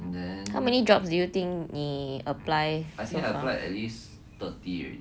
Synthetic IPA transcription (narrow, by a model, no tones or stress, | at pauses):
dɛ̃nhawmɛnidɹɔpsdujut̪ĩŋkniəplajajtĩŋaɪəlajɛ̰tlis | t̪əti